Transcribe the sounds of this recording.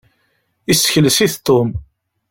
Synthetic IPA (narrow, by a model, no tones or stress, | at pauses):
isə̥çələsiθt̪ˤːom